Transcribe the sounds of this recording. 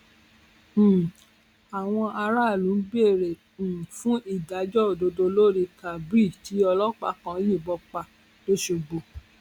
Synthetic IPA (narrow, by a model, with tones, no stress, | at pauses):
a˨w̃ɔ̃˧ʔa˧ɾa˦˨lũ˨˦ɡ͡bi˦e˦˨ɾẽ˨fũ˦ʔi˦˨da˨˦d͡ʒɔ˦˨do˧do˧lo˦ɾi˧ka˨bɾi˦˨ti˨˦ɔ˧lɔ˦k͡pa̰˦kã˧˦ji˦˨bɔ˧˦k͡pa˧ | to˦ʃo˧ɡ͡bo˧˨